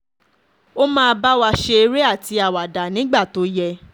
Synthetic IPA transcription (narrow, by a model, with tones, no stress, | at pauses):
o˦mãː˦˧ba˦wa˧ʃe˧e˧ɾe˦a˦˨ti˧a˨wa˨da˨nĩ˨˦ɡ͡ba˦˨to˨˦jɛ˧